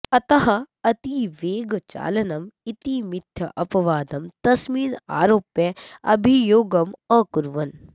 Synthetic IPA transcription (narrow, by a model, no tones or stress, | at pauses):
ɐt̪ɐɦɐ | ɐt̪iːʋeːɡt͡ʃa̰ːlɐnɐmit̪iːmɪt̪ʰjɐʔɐpɐʋaːd̪ɐmt̪ɐsmiːna̰ːɾoːpjeɐ̰bʱijoːɡɐmɐ̃kuɾʋɐn